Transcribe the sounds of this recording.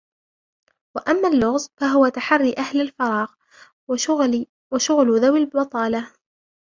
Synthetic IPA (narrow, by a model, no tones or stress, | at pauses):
waʔamːaːlːʊɣzˤfaɦʊwat̪aħarːiʔahlalfɑɾˤɑːɣ | waʃʊɣlðawalbɑt̪ˤɑːla